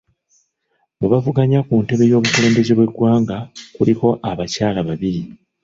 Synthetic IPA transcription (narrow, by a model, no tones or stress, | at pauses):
muβavuɡaɲakunte̞βe̞jo̞ːβukole̞ːmbe̞zeβwe̞ɡwaːŋɡakuliko̞ʔaβacaːlaβaβiɾi